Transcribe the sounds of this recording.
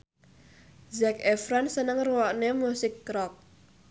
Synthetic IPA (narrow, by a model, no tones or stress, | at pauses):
zɛkɛfɾansənəŋruwɔʔnemusɪkːɾɔk̚